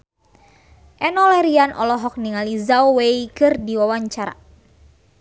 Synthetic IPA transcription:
ʔɛnɔlɛɾianʔɔ̰lɔɦɔk̚niŋalizawweikɨrdiwawaɲt͡ʃaɾa̰

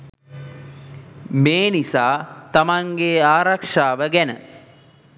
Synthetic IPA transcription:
meːnisaːt̪amaŋɡeaːɾakʂaːʋəɡænə̰

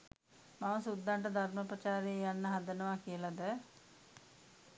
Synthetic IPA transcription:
maməsud̪ːaɳʈəd̪ʱaɾməpɾət͡ʃaːɾejəjanːəɦad̪ənəʋakijəlad̪ə

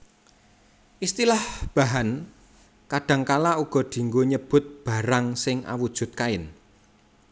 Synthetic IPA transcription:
ʔist̪ilahb̥a̤ɦan | kaɖ̥ä̤ŋkalauɡ̥ɔ̤d̪̥i̤ŋɡoɲəb̥ʊ̤t̪̚b̥a̤ɾaŋsɪŋʔa̰wud̥ʒ̥ʊ̤t̪̚kaɪn

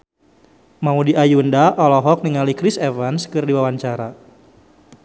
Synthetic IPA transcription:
maudiʔajundaʔɔlɔɦɔk̚niŋalikɾisevanskɨrdiwawaɲt͡ʃaɾa

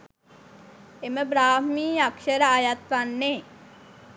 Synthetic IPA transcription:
eməbɾaːɦmiːakʃəɾəajat̪ʋanːe

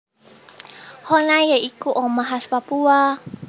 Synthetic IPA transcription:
hɔnajaʔikuʔɔmaɦaspapua

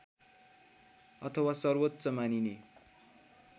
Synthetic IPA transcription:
ʌt̪ʰʌwasʌrwot̪ːsʌmanine

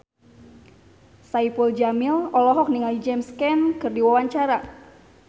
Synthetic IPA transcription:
saipuld͡ʒamɪlɔlɔɦɔk̚niŋalid͡ʒɛmskɛnkərdiwawaɲt͡ʃaɾa

